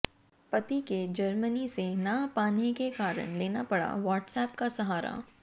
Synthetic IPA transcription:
pɐt̪iked͡ʒɐɾmənisenapaːnekekaːɾə̰ɽ̃leːnapɐɽa̰ʋaːʈsɛːpkasɐɦaːɾa̰ː

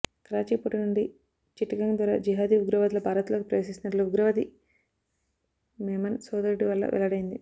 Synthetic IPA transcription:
kɾaːt͡ʃipoʈinuɳɖi | t͡ʃiʈːɐkɐŋd̪ʋɐːɾaːd͡ʒiɦaːd̪iuɡɾɐʋɐd̪ilɐbʱaːɾɐt̪loːkipɾɐʋes̬ist͡ʃːinɐʈluuɡɾɐʋɐd̪i | meːmɐnsoːd̪ɐɾiʈiʋɐlːɐ̰ʋʔɛ̰lːɐɽɐjind̪i

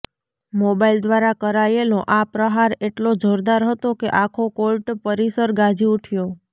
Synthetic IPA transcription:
mobaild̪ʋaɾakəɾajeloʔapɾəɦaɾeʈlod͡ʒʱoɾd̪aɾɦət̪okeʔakʰokolʈpəɾisəɾɡad͡ʒiuʈʰjo

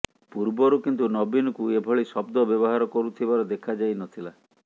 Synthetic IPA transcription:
puɾbɔɾukint̪unɔbinɔkuebʱɔɭisɔbd̪ɔbjɔbɔɦaɾɔkɔɾut̪ʰibaɾɔd̪ekʰad͡ʒajnɔt̪ʰila

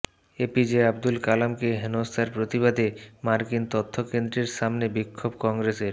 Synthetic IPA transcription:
epid͡ʑeabd̪ulkalamkeɦenost̪ʰaɾpɾot̪iβad̪emaɾkint̪ot̪ʰːokend̪ɾeɾʃamnebikʰːobkɔŋɡɾeseɾ

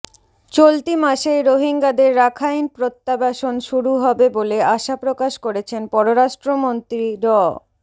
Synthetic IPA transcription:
t͡ɕolt̪imaʃejɾoɦiŋɡad̪eɾːakʰajnpɾot̪ːabaʃonʃuɾuɦɔbeboleaʃapɾokaʃkoɾet͡ɕʰenpɔɾoɾaʃʈɾomont̪ɾiɾɔ

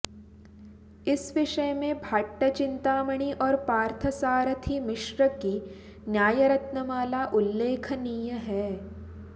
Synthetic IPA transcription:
ɪsʋɪʃəmẽbʱaʈːət͡ʃɪ̃nt̪aːməɽ̃iʔɔːɾpaːɾt̪ʰəsaːɾət̪ʰimɪʃɾəki | njaːjəɾɐt̪nəmaːlaʔʊlːeːkʰniːjəɦɛː

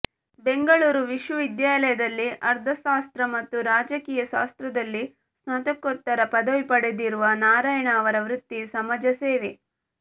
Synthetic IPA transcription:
be̞ŋɡɐɭuːɾuʋiʃʋɐʋid̪jaːlɐjɐd̪ɐlːiʔɐɾd̪ʱɐʃaːst̪ɾɐmɐt̪ːuɾaːd͡ʒɐkiːjɐʃa̰ːst̪ɾɐd̪ɐlːi | snɐt̪ɐkːot̪ːɐɾɐpɐd̪ɐʋipɐɽed̪iɾuʋɐnaːɾaːjɐɳɐːʋɐɾɐʋɾut̪ːisɐmɐd͡ʒɐseːʋe

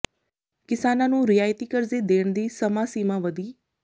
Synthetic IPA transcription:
kɪsaːnãːnũːɾɪjaːjt̪iːkəɾzeːd̪eːɳd̪iːsəmaːsiːmãːʋəd̪iː

